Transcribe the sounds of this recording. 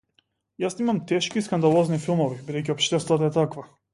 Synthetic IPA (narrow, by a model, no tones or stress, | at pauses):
jasnimamt̪ɛʃkiskand̪alˠɔznifilˠmɔvibid̪ɛjc̬ʲiɔpʃt̪ɛst̪vat̪aɛt̪akva